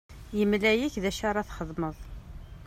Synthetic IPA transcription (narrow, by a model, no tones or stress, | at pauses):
jəmlæjiçðæʃaɾˤɑθχəðˤməðˤ